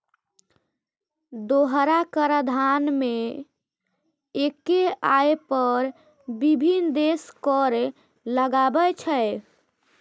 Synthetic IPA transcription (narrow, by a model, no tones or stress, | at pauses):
d̪oɦɾakəɾəd̪ʱanme | ekeajpəɾ | bibʱind̪eskɔɾe | ləɡabət͡ʃʰəj